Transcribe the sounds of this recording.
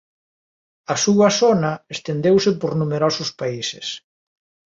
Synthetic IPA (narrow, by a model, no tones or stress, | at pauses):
ɐsuɐsonɐest̪end̪ewsɪpoɾnumeɾɔsʊspaisḛs